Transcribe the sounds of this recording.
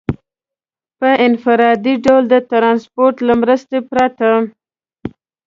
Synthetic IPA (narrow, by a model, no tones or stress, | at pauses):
pəʔɪnfɪɾɑd̪iɖawld̪ət̪ɾɑnspoɾʈ̪lamɾəst̪epɾat̪a